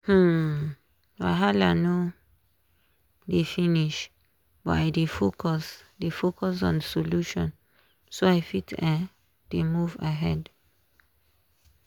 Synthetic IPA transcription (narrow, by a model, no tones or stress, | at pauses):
h̩ | wa̰ɦalano | defĩniʃ | ba̰jdefokʰɔsdefokɔs̬ɔ̰̃nsoluʃɔ̰̃n | soaɪfitʰɛ̃ | d̥emuvaɦɛd